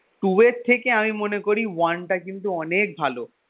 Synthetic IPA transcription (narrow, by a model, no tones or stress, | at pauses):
ʈueɾt̪ʰːekeamimonekoɾiwanʈakint̪uɔnek̚bʱalo